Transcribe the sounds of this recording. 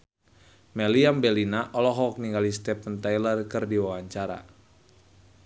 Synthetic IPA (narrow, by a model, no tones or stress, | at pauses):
mɛliambɛlinaʔɔlɔɦɔk̚niŋɡalist̪ɛpənt̪ajlərkɨrdiwawaɲt͡ʃaɾa̰